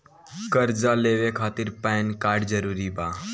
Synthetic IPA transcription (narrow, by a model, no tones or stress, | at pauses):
kəɾd͡zaleʋekʰat̪iːɾpajnkaɾɖd͡zəɾuːɾiːba